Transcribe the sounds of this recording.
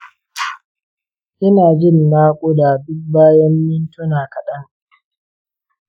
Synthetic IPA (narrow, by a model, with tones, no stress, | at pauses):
ʔɪ˦naː˨d͡ʒɪ˦˨nːaː˦kʷʼo˦da˨dʊ˦k̚baː˦jɔ˦mːɪ˦ntʊ˦naː˨kɐ˨ɗɐ˦ŋ